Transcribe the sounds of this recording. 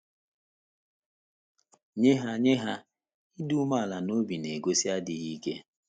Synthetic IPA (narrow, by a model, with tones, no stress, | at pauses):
ɲe˦ɦa˦ɲe˦ɦa˦ | i˦du˦ma˦˨la˨no˦bi˨ne˨ɡo˦si˦a˦dɪ˨ɣi˦kḛ˦